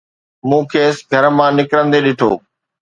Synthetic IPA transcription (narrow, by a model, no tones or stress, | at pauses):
mũːkʰeːsɡʱɐɾmãnɪkɾə̃nd̪eɗɪʈʰo̰ː